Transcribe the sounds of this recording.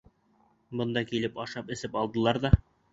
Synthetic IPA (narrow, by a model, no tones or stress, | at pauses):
bɤ̆nd̪ɑkilɘpɑʃɑpɘ̆sɘpɑlˠd̪ɤ̆lˠɑɾðɑ